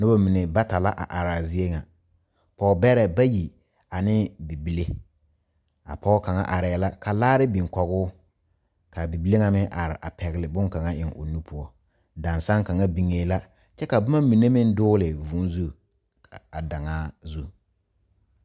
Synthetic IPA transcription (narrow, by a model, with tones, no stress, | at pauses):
nʊ˦ba˦mi˨ne˨ba˦ta˨la˦ʔa̰˨ʔa˨ɾa˨zɪ˦e˦ŋa˨ | pɔː˨˦bɛ˦ɾɛ˨ba˦ji˨ | a˨nɪ˦bi˨bi˨le˦ | a̰˨pɔ˦ka˨ŋa̰˦ʔa˨ɾɛ˨˦˨la˦ka˨laː˦ɾɪ˦bi˨ŋkɔ˨ɣʊː˦ | ka˨bi˨bi˦le˦ŋa˨mɪ˦ʔa˨ɾɪ˨ʔa˨pɛ˨ɣɪ˨lɪ˨bʊ˦ŋka˨ŋa˦ʔɪ˨ŋo̰˨nu˦pʰʊ˨ɔ˦ | da˨nsa˦ŋka˨ŋa˦bi˨ŋe˨˦la˦ | t͡ʃɛ˦ka˨bʊ˦ma˦mi˨ne˦mɪ˦n˦dʊː˦lɪ˨vu˨˦n˦zu˦˨ | a˨da˨ŋaː˦zu˦